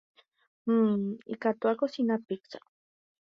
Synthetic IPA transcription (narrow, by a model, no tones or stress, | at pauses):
ḭkat̪uakosinapiksḁ